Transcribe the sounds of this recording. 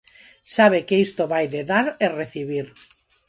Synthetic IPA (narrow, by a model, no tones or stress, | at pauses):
saβekeist̪oβajðeðaɾereθiβ̞iɾ